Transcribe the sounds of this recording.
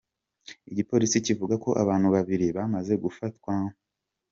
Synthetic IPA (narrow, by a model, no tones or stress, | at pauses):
iɟipo̞ɾisicivuɡako̞ʔa̰βaːnhuβaβiɾiβamaze̞ɡufatkwa